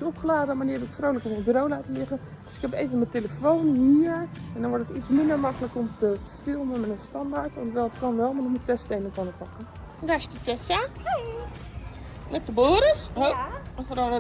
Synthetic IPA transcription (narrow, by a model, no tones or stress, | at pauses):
sopχəlaːdəəmaniədɔtɪ̥kfrowləkəmədrowlaːtəlɪɣəd̥øsɪkhɛpejvənməteləfownɦiəɹɛndɔnʋɔɹtətitsmɪndəɹmɑkələkomtəfɪlˠmənmɛnənstɑndaɹtʋɔntʋɛlˠətkɔnʋɛlˠmanɔxmutɛstejnəkɔnəpɑkə | dastətɛsa | nɛtəboːɾəsofɾɔ